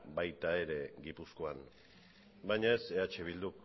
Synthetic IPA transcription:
bajt̪ae̞ɾe̞ɡipusko̞an | bajɲae̞se̞at͡ʃe̞β̞ild̪uk

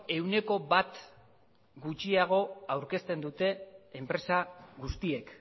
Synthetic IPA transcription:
e̞wne̞ko̞bat̪ | ɡut͡ʃiaɣ̞o̞awɾke̞st̪e̞nd̪ut̪e̞ːmpɾe̞saɣust̪ie̞k

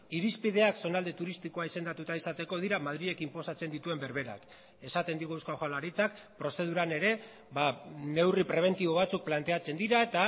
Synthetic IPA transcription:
iɾispið̞e̞akso̞nald̪e̞t̪uɾist̪iko̞aise̞nd̪at̪ut̪aisat̪e̞ko̞ð̞iɾamað̞ɾie̞kimpo̞sat͡se̞nd̪it̪ue̞mbe̞ɾβe̞ɾa̰k | e̞sat̪e̞nd̪iɣuawskaxalaɾit͡sakpɾo̞se̞ð̞uɾane̞ɾe̞ | bane̞wripɾe̞β̞e̞nt̪iβo̞β̞at͡suk̚plant̪eat͡se̞nd̪iɾaet̪a

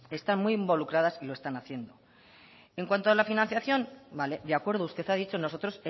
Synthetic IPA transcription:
e̞st̪anmujimbo̞lukɾað̞asiloe̞st̪anaθje̞nd̪o̞ | eŋkwant̪oalafinanθjaθjo̞nbale̞d̪eakwe̞ɾð̞oust̪e̞θaðit͡ʃo̞no̞so̞t̪ɾo̞se

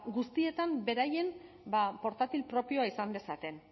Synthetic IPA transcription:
ɡust̪ie̞t̪ambe̞ɾaje̞m | bapo̞ɾt̪at̪ilpɾo̞pio̞aisand̪e̞sat̪e̞n

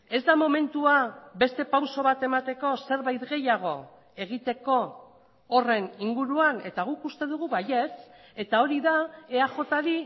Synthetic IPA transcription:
e̞zd̪amo̞me̞nt̪uabe̞st̪e̞pawso̞β̞at̪e̞mat̪e̞ko̞se̞ɾβajt̪ɣe̞jaɣ̞o̞ | e̞ɣit̪e̞ko̞ː | re̞niŋɡuɾuane̞t̪aɣ̞ukust̪e̞ð̞uɣ̞uβaje̞t͡s | e̞t̪ao̞ɾiðaeaʝo̞t̪aɾi

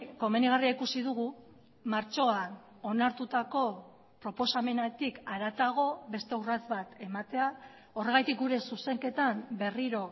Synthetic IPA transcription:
ko̞meniɣariaikusið̞uɣu | maɾt͡ʃo̞an | onaɾt̪ut̪ako̞ | pɾo̞po̞same̞nat̪ikaɾat͡s̪aɣ̞o̞βe̞st̪eurat͡s̪βat̪e̞mat̪e̞a | o̞re̞ɣ̞ajt̪ik̚ɡuɾe̞suse̞ŋke̞t̪ambe̞riɾo̞

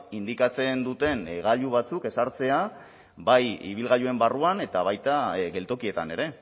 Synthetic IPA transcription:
ind̪ikat͡se̞nd̪ut̪e̞nɣaʎuβ̞at͡suke̞saɾt͡se̞a | bajḭβ̞ilɣaʎue̞mbaruane̞t̪aβ̞ajt̪aɣe̞lt̪o̞kie̞t̪ane̞ɾe̞

